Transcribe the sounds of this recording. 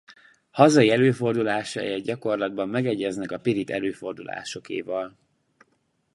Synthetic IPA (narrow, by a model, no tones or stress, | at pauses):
hɒzɒiɛløːfo̞rd̪ulaːʃa̰jɛɟɒko̞rlɒd̪̚bɒmːɛɡɛɟːɛznɛkɒpiɾit̪ɛ̰løːfo̞rd̪ula̰ːʃo̞kḛːvɒl